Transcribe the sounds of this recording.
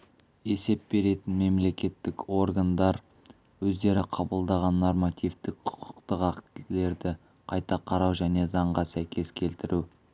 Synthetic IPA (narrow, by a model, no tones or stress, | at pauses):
e̞se̞p̚be̞ɾe̞t̪ɪnme̞mle̞kʲe̞t̪ːɪko̞rɡand̪ɑɾ | wɵzd̪e̞ɾɪqʰɑbəlˠd̪ɑʁɑnːo̞rmat̪ijft̪ɪkqʰʊ̥qʰə̥qt̪əqɑkt̪ɪle̞ɾd̪ɪ | qʰɑjt̪ɑqʰɑɾɑwʒæne̞zɑɴʁɑsæjkʲe̞skʲʰe̞lt̪ɪɾu